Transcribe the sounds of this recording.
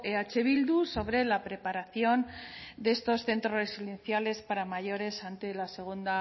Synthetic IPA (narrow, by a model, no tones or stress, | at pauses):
eat͡ʃe̞β̞ild̪uso̞β̞ɾe̞lapɾe̞paɾaθjo̞nd̪eest̪o̞sθe̞nt̪ɾore̞siðe̞nθjale̞spaɾamaʝo̞ɾe̞sant̪e̞lase̞ɣ̞und̪a